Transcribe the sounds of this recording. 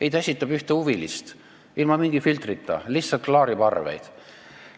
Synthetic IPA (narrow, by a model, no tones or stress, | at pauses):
ejt̪æsʲit̪ːˑɑb̥yht̪euvilist̪ | ilmɑmiŋɡ̥ifilt̪rit̪ːˑɑ̰lihsɑlt̪̚klɑːɾipɑrvḛjd̪̥